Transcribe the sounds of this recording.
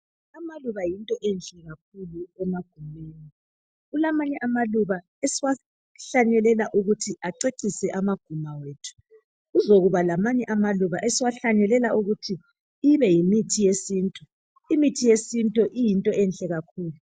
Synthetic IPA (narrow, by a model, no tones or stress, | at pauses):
amaluβajintʼɔʔɛnɬɛɣak̚ʰuluɛmaɡ̥ʱumeːni | ɣulamaɲɛʔamaluβa | esiwa | ɬaɲɛlɛlaʔuɣutʰiʔaǀeǀisɛʔamaɡ̥ʱumaweːtʰu̥ | ɣuzoɣuβalamaɲɛʔamaluβaʔesiwaɬaɲɛlɛlaʔuɣutʰiː | βɛjimitʰijesiːntʼu | imitʰijesintʼɔʔijintʼɔʔɛnɬʼɛɣakʰuːlu